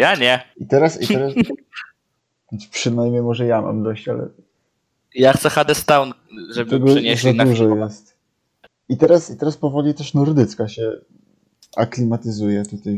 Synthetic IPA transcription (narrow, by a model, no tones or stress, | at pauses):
jaɲɛit̪ɛɾasḭt̪ɛɾas | ɔnspʂɘnajmʲɲejmɔʐɛjama̰md̪ɔɕt͡ɕalɛ̰ | jaxt̪sɛxad̪ɛst̪awn | ʐɛpt̪ɛɡɔʂɲeɛd̪auʐɔjɛst̪ | it̪ɛɾasit̪ɛɾaspɔvɔlʲit̪ɛʂnɔɾd̪ɘt̪skaɕɛ | a̰klʲimat̪ɘzujɛt̪ut̪aj